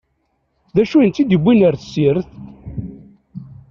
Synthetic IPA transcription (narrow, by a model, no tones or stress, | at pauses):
ðæʃuənt̪ːid̪əbʷːinəɾθəsiɾθ